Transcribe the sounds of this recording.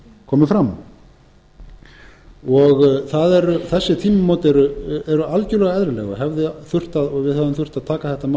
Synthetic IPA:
kʰɔːmɪfɾam | ɔɣθaðɛɾʏθɛsːɪt̪ʰiːmɪmɔːwt̪ɛɾʏɛɾʏalcʏlɛɣaɛðɾɪlɛ̰ɣa̰ɦɛvðɪθʏr̥t̪aðɔɣvɪðhɛvðʏɪmθʏr̥t̪aðt̪ʰaːkaθɛht̪ama

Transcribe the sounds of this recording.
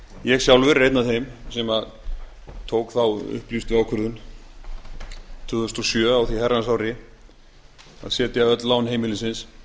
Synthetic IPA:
jɛɣsjawlvʏɾːejt̪naθejmsɛma | t̪ʰoːwkθawʏ̰hplist̪vɪawkʰʏɾðʏn | t̪ʰʏːðʏst̪ɔsjœːawθihɛransawɾɪ | a̰ðsjɛːt̪jaœt̪lawnɦeːjmɪlɪnsɪns

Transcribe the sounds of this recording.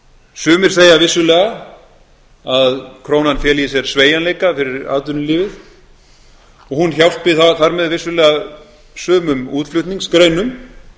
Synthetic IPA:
sʏːmɪɾ̥θeːjavɪsːʏlɛːɣa | aðkʰɾoːwnanfjɛːlijɪsjɛɾ̥sveːjanleːjkafɪɾɪɾa̰ːt̪ʏnʏliːvɪθ | ɔɣhunçawl̥t̪̚pɪθaθaɾmɛðvɪsʏlɛːɣa | sʏːmʏmuːt̪flʏht̪niŋskɾeɥnʏm

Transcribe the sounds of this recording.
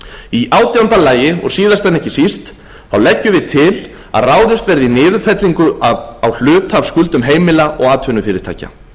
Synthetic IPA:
iʔaːwt̪ɪɾant̪alaːjɪɔ̰ɣsiːðast̪ɛnːɛhcɪsist̪ | θawlɛcːʏvɪðt̪ʰɪl | a̰ðraːwðɪst̪vɛɾðɪnɪːðʏfɛt̪liŋkʏaðawl̥ʏːt̪ʰav̥skʏlt̪ʏmɦeːjmɪlaɔɣaːt̪vʏnʏfɪːɾɪɾ̥t̪a̰ːjca̰

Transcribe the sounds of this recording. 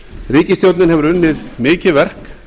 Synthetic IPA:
riːcɪst̪jowt̪nɪnɦɛvʏɾʏnːɪðmɪːcɪvɛr̥k

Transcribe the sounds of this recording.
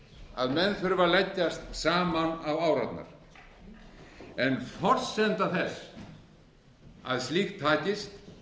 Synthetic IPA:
a̰ðmɛnθʏɾvalɛcːast̪saːmanavaːwɾat̪na̰ɾ̥ | ɛnfɔr̥sɛnt̪aθɛs | a̰ðst̪liːxtt̪ʰːaːcɪst̪

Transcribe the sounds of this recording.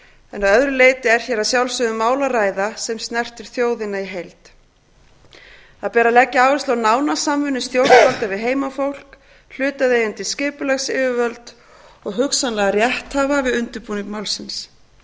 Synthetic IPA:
ɛnaðœðɾʏleːjt̪ɪɛɾ̥çɛːɾaðsjawlsʏɣðʏmːaːwlaɾaːjðasɛmst̪nɛr̥t̪ɪɾ̥θjoːwðɪnːaiɦejlt̪ | θaðpɛːɾalɛcːɪaːwvɪnst̪awnaːwnasamvʏnːʏst̪jow̪palt̪avɪɦeːjmafowl̥k | l̥ʏːt̪aðejant̪ɪscɪːpʏlɛxsɪːvʏvœlt̪ | ɔɣɦʏksanlɛːɣarjɛht̪havavɪðʏnt̪ʏɾpuːnɪŋkmawlsɪns

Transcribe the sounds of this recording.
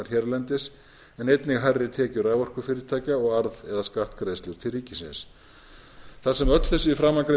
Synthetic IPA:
aɾ̥çɛɾlɛnt̪ɪs | ɛnejt̪nɪɣɦarːɪt̪ʰɛːcʏɾaːvɔr̥kʏfɪːɾɪɾt̪ʰaːcaɔɣaɾðɛðaskaft̪kɾejðst̪ɪɾ̥t̪ʰɪlriːcɪsɪ̰ns | θaɾ̥sɛmœt̪l̥θɛsʏifɾamːakɾe

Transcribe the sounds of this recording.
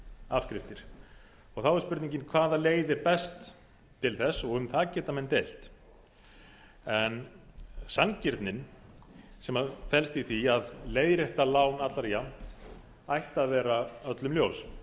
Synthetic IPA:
afkɾɪft̪ɪɾ̥ | ɔɣθawɛɾ̥spʏɾt̪niɲcɪnkʰvaːðaleːjðɪpɛst̪ʰː | ɪlθɛsːɔɣʏmθaðcɛːt̪amɛnt̪ejl̥t̪ | ɛnsaŋcɪɾt̪nɪn | sɛmafɛlst̪iθiaðleːjðɾɛht̪alaːwnat̪laɾjam̥t̪ | ajht̪aðvɛːɾaœt̪lʏmljows

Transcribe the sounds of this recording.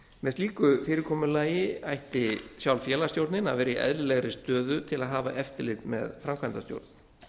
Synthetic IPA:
mɛðst̪liːkʏfɪːɾɪɾkʰɔːmʏlaːjɪajht̪ɪsjawlfjɛːlast̪jowɾt̪nɪna̰vɛːɾɪiʔɛ̰ðlɪlɛɣɾɪst̪œːðʏt̪ʰɪlaðɦaːva̰ʔɛft̪ɪlɪt̪mɛ̰ðfɾamkʰvajnt̪ast̪jo̰wɾt̪n

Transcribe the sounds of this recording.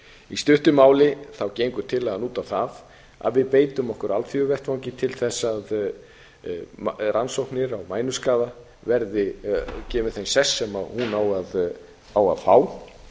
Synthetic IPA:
ist̪ʏht̪ʏmaːwlɪθawcejŋkʏt̪ʰɪlːanuːt̪aθað | a̰ðvɪðpeːjt̪ʏmɔhkʏɾalt̪fjœvɛr̥t̪vawŋcɪt̪ʰɪlθɛsːað | rʔansowhknɪɾawmaːjnʏskaːða | vɛɾðɪcɛːmɪθejnsɛsːɛmaðhunawað | awa̰ðfaːw

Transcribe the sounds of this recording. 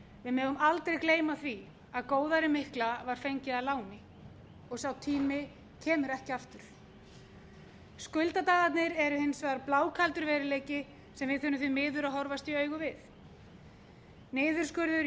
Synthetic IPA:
vɪðmɛːðʏmalt̪ɾejkleːjmaθvi | aðkoːwðaɾɪmɪhklavaɾ̥fejɲcɪðalaːwnɪ | ɔɣsawt̪ʰiːmɪ | cʰɛːmʏɾɛhcɪaft̪ʏɾ̥ | skʏlt̪at̪aːðat̪nɪɾɛɾʏhɪnsvaðaɾplaːwkʰalt̪ʏɾvɛːɾɪleːjcɪ | sɛmvɪðθʏnːʏθʏmɪːðʏɾaɦɔɾvast̪iœːɥɣʏvɪθ | nɪːðʏɾ̥skʏɾðʏɾ

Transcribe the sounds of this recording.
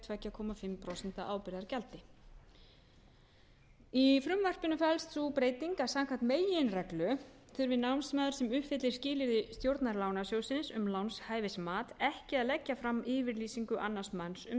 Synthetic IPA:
t̪ʰvɛcːakʰɔːmafɪmpʰɾɔwsɛn̥t̪aʔaːwpɪɾðaɾcalt̪ɪ | ifɾʏmvar̥pɪnːʏfɛlst̪supɾeːjt̪iŋkḁsaŋkʰant̪meːjɪnrɛklʏ | θʏɾvɪnawnsmɛaːðʏ̥sɛmʏhpfɪt̪lɪɾ̥scɪːlɪɾðɪst̪jowɾt̪naɾlaːwnasjowsɪnsʏmlawnshaːjvɪsmaːt̪ɛhcɪaðlɛcːafɾamːɪːvɪɾliːsiŋkʏʔanːḁsmansʏm

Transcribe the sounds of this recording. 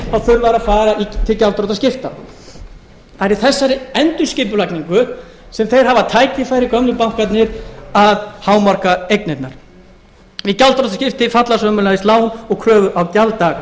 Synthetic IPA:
awθʏɾvaɾafaːɾait̪ʰɪlcalt̪ɾɔt̪ascɪft̪a | aɾiθɛsːaɾɪɛnt̪ʏ̥scɪːpʏlajkniŋkʏ | sɛmθejɾ̥ɦavat̪ʰaːjcɪfajɾɪkœmnʏpawŋ̥kat̪nɪɾaðhaːwmaɾ̥kaejknɛt̪naɾ̥ | icalt̪ɾɔt̪ascɪft̪ɪfat̪lasvœmʏlaɪslaːwhʏnɔɣkʰɾœːvʏʔawc̪jalt̪aːɣa

